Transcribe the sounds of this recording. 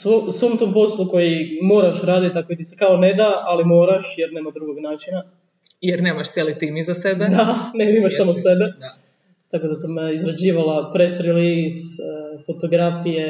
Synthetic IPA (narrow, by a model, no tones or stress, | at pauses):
sosʋoːmt̪oːmpo̞slˠuko̞jimoːɾaʃɾaːd̪it̪akoit̪isekaone̞d̪aʔalimo̞ːɾaʃjeɾne̞ːmad̪ɾuɡo̞ɡnaːt͡ʃina | jeɾne̞ːmaʃt̪ʲjeːlit̪imizasebed̪aneɾimaʃsamose̞be | t̪akod̪asamizɾad͡ʑiːʋalapɾesɾilisfot̪o̞ɡɾafije